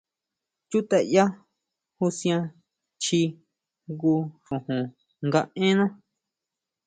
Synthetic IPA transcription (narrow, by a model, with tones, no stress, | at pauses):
t͡ʃu˦t̪e˧ʔja˦ | hu˧sj̃ã˧ | t͡ʃi˧ | ɡu˧ʂõ˨hũ˨ | ŋɡa˧ẽ˦nã˦